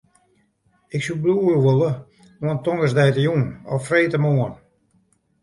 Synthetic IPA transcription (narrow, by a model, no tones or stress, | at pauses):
ɪksubluːrʋolˠə | oəntɔŋɡəsdɛjtəjunɔfreːtəmoən